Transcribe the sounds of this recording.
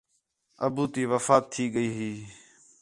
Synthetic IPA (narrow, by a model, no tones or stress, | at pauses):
ə̰buːt̪iːʋəfaːt̪ʰːiːɠəiːɦiː